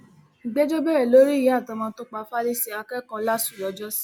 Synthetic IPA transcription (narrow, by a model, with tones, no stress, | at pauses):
ɡ͡bɛ˦d͡ʒɔ˦ɡ͡bɛ˦ɾɛ˦˨lo˨˦ɾi˦˨jĩ˨˦a˦˨tã˧mãː˧˦to˧˦k͡pa˧fa˦li˦si˧a˧kɛ˦kɔ̃˧la˦su̥˨jɔ˧˦d͡ʒɔ˦si̥˦